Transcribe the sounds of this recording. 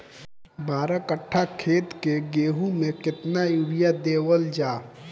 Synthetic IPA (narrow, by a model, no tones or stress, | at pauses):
bʱaːɾakəʈʰːakʰeːt̪keɡeːɦumẽkɪt̪najuɾijad̪eːwəld͡ʒaː